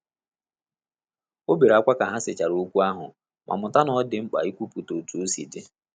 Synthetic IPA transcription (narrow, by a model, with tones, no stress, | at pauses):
o˦be˨ɾa˨kʷa˦ka˨ɦa˦sɪ˨t͡ʃa˨ɾo˨˦kʷu˦a˦ɦʊ˨ | mʔa̰˨mʊ˨ta˦nɔ˦dɪ˨ŋ͡m̩˦k͡pa̰˨i˦kʷu˦pu˨to˨tu˨˦o˦sḭ˨de˦